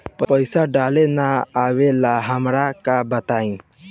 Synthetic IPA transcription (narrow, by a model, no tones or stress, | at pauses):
pəpəjsaɖalenaawelaɦəmɾakabət̪aĩ